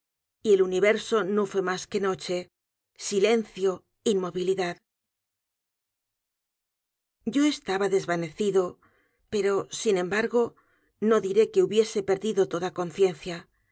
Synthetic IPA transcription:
ie̞luniβ̞e̞ɾso̞no̞fwe̞maske̞no̞t͡ʃe̞ | sile̞nθjo̞ | inmo̞βiliðað | ɟ͡ʝo̞e̞st̪aβaðe̞zβane̞θiðo̞ | pe̞ɾo̞sinẽ̞mbaɾɣo̞ | no̞ðiɾe̞ke̞uβje̞se̞pe̞ɾðiðo̞t̪o̞ðako̞nθje̞nθja

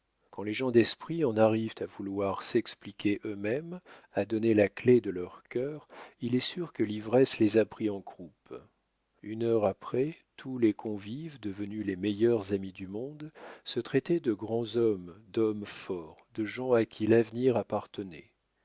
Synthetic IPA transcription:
kɑ̃leʒɑ̃d̪ɛspχiɑ̃naʁivt̪ʰavulwaʁsɛksplikʲeʔømɛm | ad̪ɔnelakled̪əlœʁkʲœːʁilɛsyʁkəlivʁɛslezapχiɑ̃ɡʁup | ynœʁapχɛt̪ʰulekʰɔ̃vivd̪əvənylemɛjœʁzamid̪ymɔ̃d̪sət̪χɛt̪ɛd̪əɡʁɑ̃zɔmd̪ɔmfɔʁd̪̥əʒɑ̃akʲʰilavniʁapaʁt̪ənɛ̰

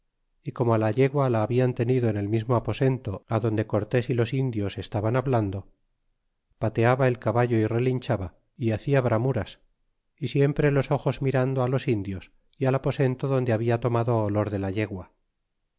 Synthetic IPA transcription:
iko̞moalaʎe̞ɣwalaːβiant̪e̞niðo̞ene̞lmizmoapo̞se̞nt̪o̞aðo̞nd̪e̞ko̞ɾt̪e̞silo̞sind̪jo̞se̞st̪aβanaβland̪o̞ | pat̪e̞aβae̞lkaβaʝo̞ire̞linʲt͡ʃaβa | iaθiaβɾamuɾas | isje̞mpɾe̞lo̞so̞xo̞zmiɾand̪oalo̞sind̪jo̞s | ialapo̞se̞nt̪oðo̞nd̪eaβ̞iat̪o̞maðo̞ːlo̞ɾðe̞laʎe̞ɣwa

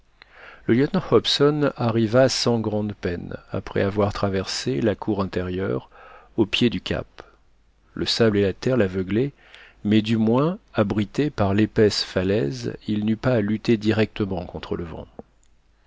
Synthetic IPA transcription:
ləljœt̪nɑ̃hɔpsɔnaʁivasɑ̃ɡʁɑ̃d̪pɛna̰pχɛ̰avwaʁt̪χavɛʁselakʰuʁɛ̃t̪eʁjœʁopjed̪ykʲʰa̰p | ləsablelat̪ɛʁlavœɡlɛ | mɛd̪ymwɛ̃abʁit̪epaʁlepɛsfalɛ̰zilnypaːlyt̪ed̪iʁɛk̚t̪əmɑ̃kɔ̃t̪χələvɑ̰̃

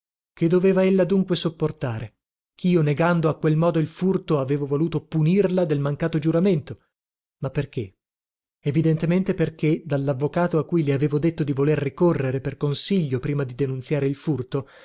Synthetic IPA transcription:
ked̪ːoveːvaelːad̪uŋkwesopːort̪aːɾe | kʰiːoneɡand̪oakːwelmɔːd̪oilfurt̪oaveːvovoluːt̪opunirlad̪elmaŋkaːt̪od͡ʒuɾament̪o | mapːerk̟e | evid̪ent̪ement̪eperk̟ed̪alːavːokaːt̪oakːujleaveːvod̪et̪ːod̪ivolerːikorːeɾeperkonsiʎːopɾiːmad̪id̪enunt̪sjaːɾeilfurt̪o

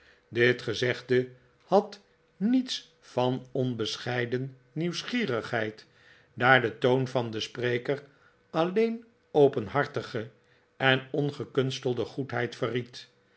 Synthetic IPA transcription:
dɪtχəzɛχdə | hɑt | nits | fɑnɔnbəsχɛjdənː | iwsχiːrəχhɦɛjt | daːɹdətownvɑndəspreːkər | ɑlejn | owpənɦɑɹtəχə | ɛnɔnχəkɵnstəlˠdəχutɦɛjtfərit

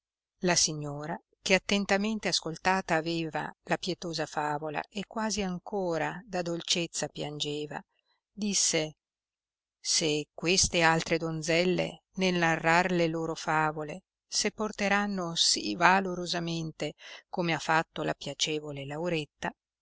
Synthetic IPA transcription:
lasiɲːoːɾa | keat̪ːent̪ament̪easkolt̪aːt̪aːveːva̰lapjɛt̪oːzafaːvola̰ʔekːwaːziaŋkoːɾad̪ad̪olt͡ʃet̪sːapjand͡ʒeːva̰ | d̪isːe | sekwest̪ealt̪ɾed̪ond̪zɛlːḛ | nelnarːarleloːɾofaːvole | sepːort̪eɾanːosivaloɾozament̪ekomeafːat̪ːola̰pjat͡ʃɛːvolelawɾet̪ːa

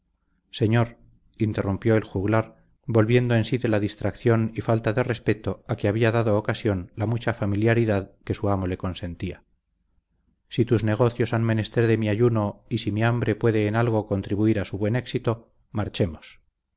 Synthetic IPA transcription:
se̞ɲo̞ɾ | int̪e̞rumpjo̞elxuɣlaɾ | bo̞lβje̞nd̪oe̞nsiðe̞laðist̪ɾakθjo̞nifalt̪aðe̞re̞spe̞t̪o̞akeaβiaðaðoːkasjo̞nlamut͡ʃafamiljaɾiðaðke̞suamo̞le̞ko̞nse̞nt̪ia | sit̪uzne̞ɣ̞o̞θjo̞sanme̞ne̞st̪e̞ɾðe̞miaʝuno̞isimiambɾe̞pwe̞ðe̞ːnalɣ̞o̞ko̞nt̪ɾiβuiɾasuβwe̞ne̞ksit̪o̞ | maɾt͡ʃe̞mos

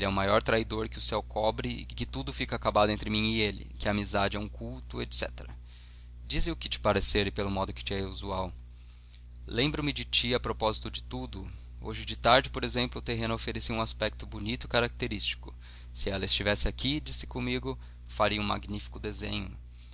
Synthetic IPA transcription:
elɪɛũmajɔɾt̪ɾaid̪oɾkɪʊsɛwkʰɔbɾɪɪ̰kɪt̪ud̪ʊfikɐakabad̪ʊẽnt̪ɾɪmĩɪelɪ̰kɪɐamizad͡ʒɪɛũkuwt̪ʊet̪sɛ̰t̪eɾɐ | d͡ʒizɪʊkɪt͡ʃɪ̥paɾeseɾɪpelʊmɔd̪ʊkɪ̥t͡ʃɪɛuzuaw | lẽmbɾʊmɪd͡ʒɪt͡ʃiɐpɾopɔzit̪ʊd͡ʒɪt̪ud̪ʊ | o̰ʒɪd͡ʒɪt̪aɾd͡ʒɪpoɾezẽmplʊːt̪eɦẽnʊofeɾesiũaspɛk̚t̪ʊbunit̪ʊɪkaɾak̚t̪eɾist͡ʃi̥kʊ̥ | sɪɛlɐɪst͡ʃivɛsɪakʰid͡ʒisɪ̥kõmiɡʊ | faɾiɐũma̰ɡnifi̥kʊd̪ezḛ̃ɲʊ̰

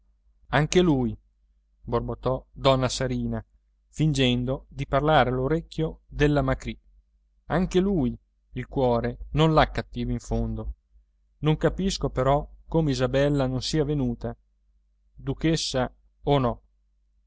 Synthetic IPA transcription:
aŋkeluːj | borbot̪ːɔd̪ɔnːasaɾiːna | find͡ʒɛnd̪od̪iparlaːɾealoɾekːjod̪elːamakɾi | aŋkeluːj | ilkwɔːɾenonlakːat̪ːiːvaiɱfond̪o | noŋkapiskopeɾɔkoːmeizabɛlːanonsiːavenuːt̪a | d̪ukesːa | onɔ

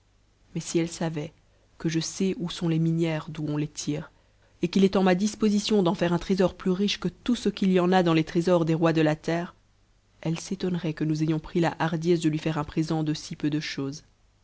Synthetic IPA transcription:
mɛsiɛlsavɛ | kəʒəsɛʔusɔ̃leminjɛːʁd̪uɔ̃let̪ʰiːʁ | ekilɛt̪ɑ̃mad̪ispozisjɔ̃d̪ɑ̃fɛʁɛ̃t̪χezɔʁplyʁiʃkət̪usəkʲilijɑ̃nad̪ɑ̃let̪χezɔʁd̪eʁwad̪əlat̪ɛːʁ | ɛlset̪ɔnʁɛkənuzejɔ̃pχilaʔaʁd̪jɛs̬d̪əlɥifɛʁɛ̃pχezɑ̃d̪əsipød̪əʃoːz

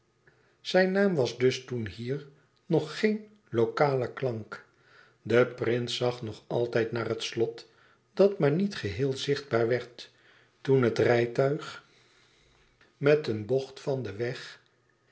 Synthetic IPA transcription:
z̥ɛjnaːmʋɑzdɵstunɦiːɹ | nɔχːejn | lokaːləklɑŋk | dəprɪnsɑχnɔχɑlˠtɛjtnaːrɦətslɔt | d̥ɑtmaːɹnitχəɦɪːlˠzɪχd̚baːɹʋɛɹt | unɦətrɛjtœɥχ | mɛtənbɔχtfɑndəʋɛχ

